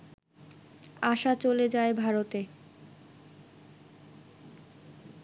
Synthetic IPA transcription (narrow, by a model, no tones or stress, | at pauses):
aʃat͡ɕoled͡ʑaebʱaɾot̪e